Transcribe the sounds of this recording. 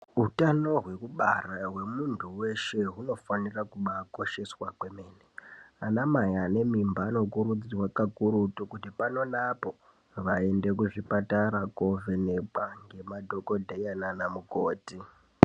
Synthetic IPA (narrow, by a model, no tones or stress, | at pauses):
ɦutano̞ɦwe̞kuɓarawe̞muntʰuwe̞ʃeɦuno̞fanirakuɓako̞ʃe̞swakwe̞me̞ːneanamajane̞mimbaːno̞kuɾud͡zirwakakuɾutukutipano̞napo̞ | ʋae̞nde̞k̬uʐipataɾakovenek͡paŋɡe̞madʱo̞ko̞dʱejananamukoːti